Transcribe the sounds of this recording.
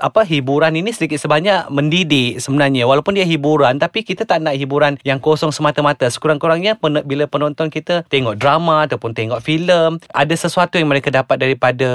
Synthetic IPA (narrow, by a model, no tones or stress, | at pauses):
ʔa̰paɦibuɾaninisədikɪt̪̚səbaɲaʔməndidiʔsəbənarɲawalawpʊndiaɦibuɾant̪apikit̪at̪aʔnaʔɦibuɾanjaŋkosɔŋsəmat̪amat̪asə̥kuɾaŋkuɾaŋɲapənbilapənɔnt̪ɔnkit̪at̪eŋɔʔ̚dɾamaat̪awpʊnt̪eŋɔʔfiləmʔa̰dasəsuat̪ujaŋməɾekadapat̪̚daɾipada